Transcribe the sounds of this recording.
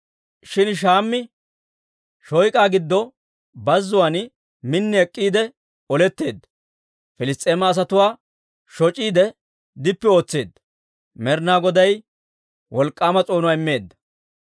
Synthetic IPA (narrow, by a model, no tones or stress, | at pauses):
ʃɪnʃ̬aːmːɪ | ʃɔjkʼaːɡɪd̪ːɔ | bɐzːʊwaːn | mɪnːɪɛkʼːiːd̪ɛ | ɔlɛt̪ːe̞ːd̪ːɐ̥ | fɪlɪst̪ʼeːmɐːs̬ɐt̪ʊwaː | ʃɔt͡ʃʼiːd̪ɛ | d̪ɪpːɛo̞ːt͡sːeːd̪ːɐ̥ | mɛɾnaːɡɔd̪ɐj | wʔɔlkʼːaːmɐt͡sʼo̞ːnʊwaːɪmːe̞ːd̪ːɐ̥